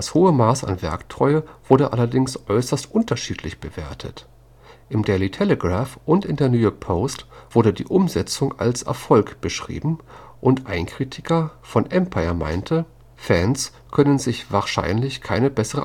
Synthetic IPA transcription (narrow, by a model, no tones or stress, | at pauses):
dashoːəmaːsa̰nvɛɐktʁ̥ɔʏəv̥ʊɐɾəʔalɐdɪŋsʔɔʏsɐstʔʊntʰɐʃiːtʰlɪçb̥əvḛːɐtʰə̰t | ʔɪmdɛlitʰɛləɡʁaːfʔʊntɪndeːɐnjuːjɔɐk̚pʰoʊstv̥ʊɐɾədḭːʔʊmzɛt͡sʊŋa̰lsʔɛ̰ɐfɔlkb̥əʃʁ̥ḭːbm̩ | ʔʊntʔaɪnkʁ̥iːtʰɪkɐfɔnʔɛmpʰaɪɐma̰ɪntʰə | fɛns | kʰœnənzɪçv̥aːɐʃa̰ɪnlɪçkʰaɪnəbɛsəʁə